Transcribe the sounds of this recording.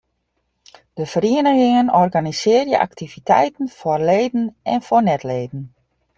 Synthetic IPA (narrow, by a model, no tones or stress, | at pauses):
d̥əfəɾiənəɣɪŋənɔrɡanisɪərjə̰ʔa̰ktʰivitʰɛ̰jtən̩forleːdn̩ɛnfornɛtleːdn̩